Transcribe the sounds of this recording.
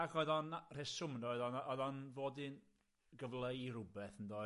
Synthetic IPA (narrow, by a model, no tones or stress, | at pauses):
akʰɔɨðɔnr̥esʊmnɔɨðɔnɔðɔnvoːdɨn | ɡəvlˠejrʊbɛθəndɔ